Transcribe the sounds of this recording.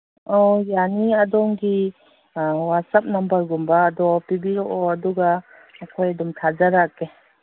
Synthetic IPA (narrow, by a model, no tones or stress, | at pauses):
ɔjaniɐdɔŋɡi | wasɐp̚nɐmbəɾɡumbaːdɔpibiɾɔʔɔɐduɡaː | kʰojɐdɔmtʰad͡ʒaɾake